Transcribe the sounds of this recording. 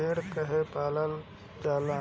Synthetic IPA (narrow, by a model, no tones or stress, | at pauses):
eːɽkəɦepaːləl | d͡ʒaːla